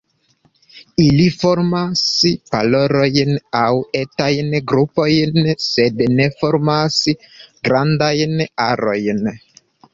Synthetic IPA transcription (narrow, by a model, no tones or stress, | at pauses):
ilifoɾmaspa̰loɾo̞jnawetajnɡɾupo̞jnse̞dne̞fo̞ɾmasɡɾandajnaɾo̞jn